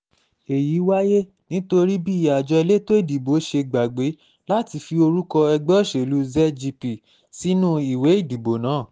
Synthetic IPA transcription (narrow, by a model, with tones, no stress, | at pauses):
e˨ji˨˦wa˦je˦ | nĩ˨˦to˧ɾi˦bi˦˨ja˨d͡ʒɔ˧i˧le˦to˦i˦˨di˨bo˨˦ʃe˧ɡ͡ba˨ɡ͡be˨˦ | la˦ti˧fi˧o˧ɾu˦kɔ˧ɛ˧ɡ͡bɔ˦˨ʃe˨lu˨˦zɛ˦d͡ʒi˧pi˨ | si˨˦nũ˦i˨we˨˦i˦˨di˨bo˨˦nãː˨˦˨